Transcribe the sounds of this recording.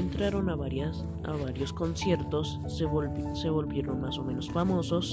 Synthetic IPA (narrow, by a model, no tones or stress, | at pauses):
ent̪ɾaɾo̞naβaas | a̰βaɾjo̞sko̞nsje̞ɾt̪o̞s | se̞βo̞lβje̞ɾonmaso̞mẽ̞no̞sfamo̞so̞s